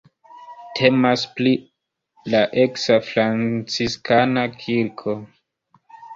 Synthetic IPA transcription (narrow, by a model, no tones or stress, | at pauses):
tʰe̞maspli | laʔe̞ksafɾant͡siskanakʰiɾkʰo